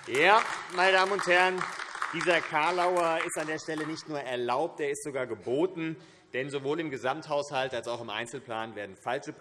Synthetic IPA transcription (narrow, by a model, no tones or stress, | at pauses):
jaːmaɪnədaːmənʊnthɛɐənd̥iːzɐkʰaɐlaʊɐɪstandeːɐʃtɛlənɪçtnuːɐʔɛɐlaʊp̚tʔeːɐɪstz̥oɡaːɐɡəboːtn̩ | d̥ɛnzovoːlɪmɡəzamthaʊshaltalsaʊxɪmʔa̰ɪnt͡sl̩pl̥aːnveːɐdn̩falʃəp